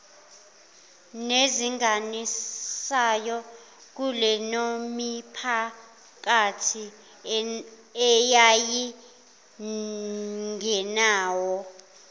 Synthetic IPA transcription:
neziŋanisajɔ | k̬ulɛnomipʰa | k̬atʰi | ɛjaji | ŋɛnaːwɔ

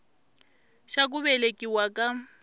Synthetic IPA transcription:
ʃak̬uβɛlekʼiwakʼa

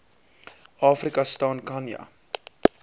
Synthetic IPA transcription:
ɑːfrikɐstɑːnkɐnjɐ̰

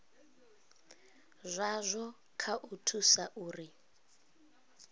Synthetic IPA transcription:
zʷazʷɔ | kʰaʔutʰusaʔuːri

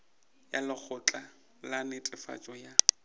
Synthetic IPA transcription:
jalɪk͡xʰʊt͡ɬʼa | lanɪtʼɪfa̰t͡ʃʼɔja

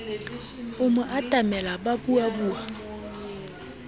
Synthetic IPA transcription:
ʊmʊʔad̥ʼʱamɛlaɓabuabuːa

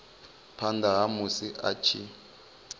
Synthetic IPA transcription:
pʰandaɦamusiʔa̰t͡ʃʰi

